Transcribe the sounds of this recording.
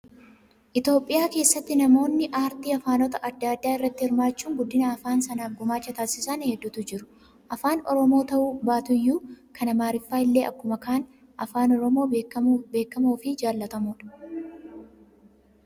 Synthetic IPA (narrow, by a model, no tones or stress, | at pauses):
ʔɪt̪jo̞ːpʼːɪjaːke̞ːsːɐt̪ːɪnɐmo̞ːnːɪʔaːɾt̪iːɐfaːnɔt̪ɐʔɐd̪ːad̪ːaːɪrːɐt̪ːɪhɪɾmaːt͡ʃːuːŋɡʊd̪ːɪnɐːfaːnsɐnaːfɡʊmaːt͡ʃːɐt̪aːsɪsɐnhɛd̪ːuːt̪ʊd͡ʒɪɾʊ̥ | ʔɐfaːnɔɾɔmoːt̪ɐʔuːbaːt̪ʊjːuːkʰɐnɐmaːɾɪfːaːɪlːe̞ːʔɐ̰kːʊmɐkʰaːn | ʔɐfaːnɔɾɔmo̞ːbe̞ːkːɐmuːfɪd͡ʒaːlːɐt̪ɐmuːᶑɐ̥